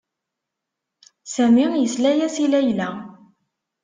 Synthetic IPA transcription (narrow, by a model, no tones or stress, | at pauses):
sæmijəslæjæsilæjlæ